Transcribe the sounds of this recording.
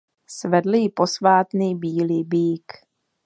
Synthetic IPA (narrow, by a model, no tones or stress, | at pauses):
svɛdl̩jɪpo̞svaːt̪nibiːliːbiːk